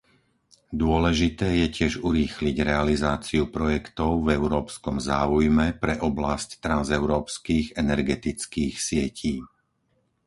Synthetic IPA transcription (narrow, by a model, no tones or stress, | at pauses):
d̪ʊɔlɛʒit̪ɛːjɛcɪɛʒuɾiːxliɟɾɛalizaːt͡siupɾɔjɛkt̪ɔʊvɛʊɾɔːpskɔmzaːujmɛpɾɛʔɔblasct̪ɾanzɛʊɾɔːpskiːɣɛnɛɾɡɛt̪it͡skiːxsɪɛcʰiː